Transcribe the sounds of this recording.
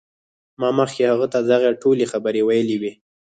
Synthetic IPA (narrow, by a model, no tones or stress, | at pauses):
mɑməxkehaɣat̪ad̪aɣaʈolexabəɾewajəliwi